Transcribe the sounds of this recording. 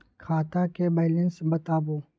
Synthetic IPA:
kʰaːt̪akebaːlẽnsbɐt̪aːboː

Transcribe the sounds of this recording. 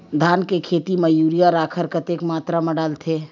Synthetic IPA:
d̪ʱaːnkekʰeːt̪imɐjuːɾijaɾaːkʰəɾkət̪eːkmaːt̪ɾamɐ̃ɖaːlt̪ʰeː

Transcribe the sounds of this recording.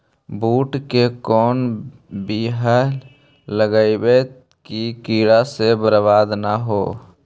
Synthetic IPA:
buːʈkekɔːn | biɦa | ləɡaːibet̪ | kikiːɽasebəɾbaːd̪naɦoː

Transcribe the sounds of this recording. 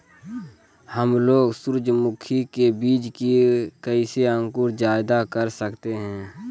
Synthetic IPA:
həmloːɡsʊɾd͡ʒmʊkʰikebiːd͡ʒkikəiseə̃ŋkʊɾd͡ʒaːɪd̪akəɾsəkt̪eɦɛ̃ː

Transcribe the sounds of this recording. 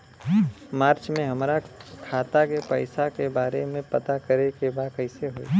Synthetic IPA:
maːɾt͡ʃmẽɦɐmɾakʰaːt̪akepəɪsakebaːɾemẽpɐt̪akɐɾekebaːkɐɪseɦoḭ

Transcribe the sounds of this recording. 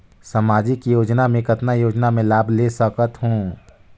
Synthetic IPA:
sɐmaːd͡ʒikijoːd͡ʒnamẽkɐt̪najoːd͡ʒnamẽlaːbʱlesəkət̪ɦõː

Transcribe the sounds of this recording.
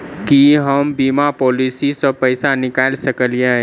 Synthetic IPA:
kiɦəmbimapolisisə̃pəɪsanɪkalsəkəlija

